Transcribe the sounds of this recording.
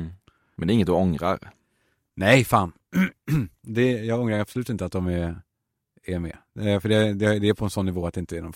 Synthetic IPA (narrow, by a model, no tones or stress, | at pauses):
mɛnd̪ɛɾɪŋːət̪d̪ɵɔŋɾa̰ɾ | nɛjfɑːn | d̪ɛjɑːɡɔŋɾaɾapsɔlʉːt̪ɪnt̪əat̪̚d̪ɔmæ | æmɛ̰ːfœɖɛd̪ɛd̪ɛæɾpʰɔɛnsɔnːɪvoːat̪d̪ɛɪnt̪ənɔm